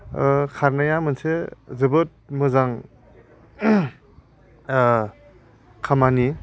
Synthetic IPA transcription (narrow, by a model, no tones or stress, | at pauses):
kʰaɾnajamɯnsezɯbɯt̚mɯzaŋ | kʰamani